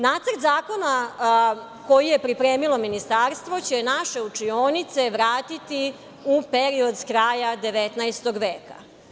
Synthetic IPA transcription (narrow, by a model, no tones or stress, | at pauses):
naːt̪sərɾt̪zaːko̞na | ko̞jijepɾipɾeːmilo̞minist̪aɾst̪ʋo̞t͡ɕenaʃe̞ut͡ʂioːnit̪seʋɾaːt̪it̪i | upeɾiod̪skɾaːjad̪eʋet̪najst̪o̞ɡʋeːka̰